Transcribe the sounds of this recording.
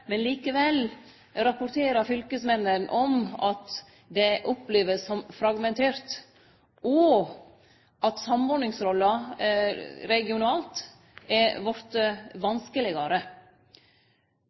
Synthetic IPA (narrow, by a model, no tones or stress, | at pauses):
mɛnliːkəʋɛl | ɾɑpʊɾt̪ʰeːɾɑfʏlkəsmɛnːənʔɔmɑt̪ | d̪ɛʔɔpleːʋəsɔmfɾɑɡmɛnt̪ʰeːɾt̪ | ɔ | ʔɑt̪sɑmɔɾɳɪŋsɾɔlːɑ | ɾɛɡɪʊnɑːlt̪ | ɛɾʋɔɾt̪əʋɑnskəlɪɡɑɾə